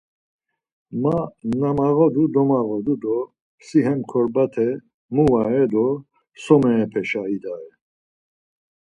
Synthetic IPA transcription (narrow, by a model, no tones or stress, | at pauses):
manamaɣɔd̪ud̪ɔmaɣɔd̪ud̪ɔ | siɦɛmkʰɔɾbat̪ʰɛ | muwaɛd̪ɔ | sɔmɛːpʰɛʃaid̪aɛ